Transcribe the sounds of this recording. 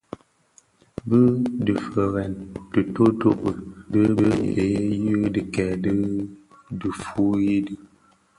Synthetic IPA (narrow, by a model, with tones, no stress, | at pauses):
bə˦dɨ˨fə˨ɣɛ˨ntə˨to˦to̰˦ʔdə˦bə˦e˨˦ji˦dɨ˨kɛ˨dɨ˦ | dɨ˨fu˨˦ji˦dɨ˨